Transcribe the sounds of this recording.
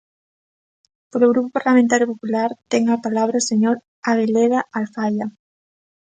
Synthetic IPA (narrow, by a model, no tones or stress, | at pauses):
poloɣɾupopaɾlamẽnt̪aɾjopopulaɾt̪ɛŋapalaβ̞ɾaoseɲoɾ | aɣeleðaalfaja